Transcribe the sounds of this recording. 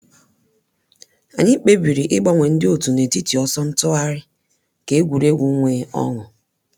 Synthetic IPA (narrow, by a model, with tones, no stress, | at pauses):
a˨ɲi˦k͡pe˦bi˨ɾi˨ʔɪ˦ɡ͡ba˦ŋʷe˨n̩˦dɪ˦o˦˨tu˨ne˨ti˦ti˨ɔ˨sɔ˦n̩˦tʊ˦a˦ɾɪ˦ | ke˨e˦ɡʷu˨ɾe˦ɡʷu˨˦ŋʷe˨ɔ̰˦ŋʊ˨